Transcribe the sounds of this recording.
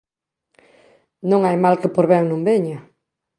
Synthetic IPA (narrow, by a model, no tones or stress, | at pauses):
nõŋajmalkɪpoɾβɛŋnõmbeɲa